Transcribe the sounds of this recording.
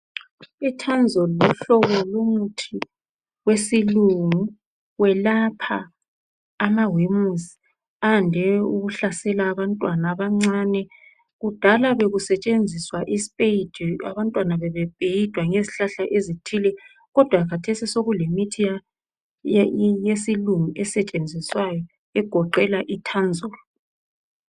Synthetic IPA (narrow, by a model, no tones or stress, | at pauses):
ɛtʰand͡zʱɔluɬɔβɔlumutʰi | wesiluŋu | wɛlapʰaː | mawimuzi | andʱɛuɣuɬasɛlaːβantʼwanaβaŋ͡ǀanɛ | ɣud̥ʱalaβeɣusɛt͡ʃʼend͡zʱiswaʔispʼeid̥ʱa̰βantʼwanaβɛβɛb̥ʼʱejid̥ʱwaŋeziɬaɬaʔezitʰilɛ | ɣɔd̥ʱwakatʰesisoɣulemitʰija | jesilumiʔɛsɛt͡ʃʼend͡zʱiswajɔ | ɛɡ̥ʱɔǃɛlaʔitʰand͡zʱɔlɔ